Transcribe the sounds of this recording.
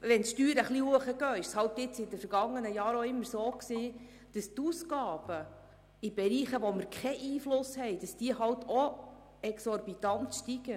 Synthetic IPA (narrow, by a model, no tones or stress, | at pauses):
ʋɛntʃtyːɾəχlihuəχəɡ̥œːɪʃshɑwtɪt͡sɪdəfəɾɡ̥ɑŋːənəjɑːɾoɪmːəɾsoːksiː | d̥ɑst̪uːskɑːb̥ə | ibɛɾiːχəʋɔməɾkʰχɛʔiːflʊshɛɪjd̥ɑsd̥iəɦɑwtʰɔ | ɛksɔɾbit̪ɑntʃtiɡ̥ə